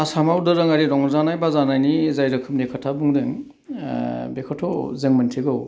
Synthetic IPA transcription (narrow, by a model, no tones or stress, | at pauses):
asamawdɯɾɯŋaɾiɾɔŋɔzanajbazanajnizajɾɯkʰɯm̚nekʰatʰabuŋdɯŋ | bekʰɔtʰɔzɯŋmɯntʰiɡɯw